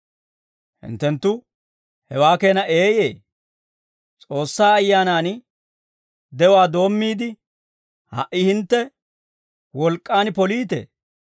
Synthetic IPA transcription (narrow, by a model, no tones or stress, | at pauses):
hɪ̰nt̪ːɛnt̪ːʊ | hɛwaːke̞ːnɐʔeːjeː | t͡sʼo̞ːsːaːjːaːnaːn | d̪ɛwaːd̪o̞ːmːiːd̪ɪ | hɐ̰ʔɪhɪnt̪ːɛ | wɔlkʼːaːnpɔliːt̪ḛː